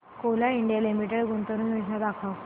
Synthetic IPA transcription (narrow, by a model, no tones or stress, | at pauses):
kolaiɳɖijalimiʈeɽɡunt̪əɾunjud͡ʑnad̪akʰaw